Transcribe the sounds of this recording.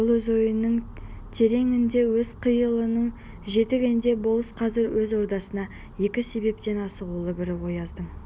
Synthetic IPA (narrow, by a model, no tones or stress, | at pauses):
bʊlˠwɵzo̞jənːəɴ | t̪ʰe̞ɾe̞ŋɪnd̪e̞wɵz̥qʰəjəlˠənəɴ | ʒe̞t̪ɪɡʲend̪e̞bo̞lˠəsqʰɑzɪɾwɵzo̞ɾd̪ɑsənɑ | je̞kʲɪse̞be̞p̚t̪e̞nɑsəʁulˠəbɪɾɪwo̞jɑzd̪əɴ